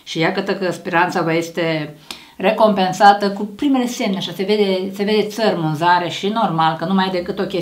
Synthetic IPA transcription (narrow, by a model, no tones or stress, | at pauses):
ʃijakət̪əkəspeɾant̪savəjest̪e̞ | re̞ko̞mpe̞nsat̪əkupɾime̞le̞se̞mneaʃase̞ved̪ese̞ve̞d̪e̞t̪sərʲmunzaɾe̞ʃino̞rmalkənumajd̪e̞kɨt̪o̞kʲe